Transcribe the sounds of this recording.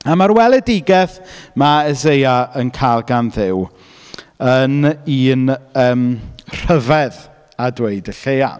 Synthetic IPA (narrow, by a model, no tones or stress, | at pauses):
amaɾwɛlˠɛdɪɡɛθmaɛzejaʔənkʰalˠɡanðɪw | əniːnəːmr̥əvɛð | adweɨdəɬeja̰